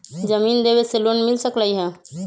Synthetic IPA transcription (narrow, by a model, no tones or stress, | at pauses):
d͡ʒəmiːnd̪eweselonmɪlsəkləiɦɛ̃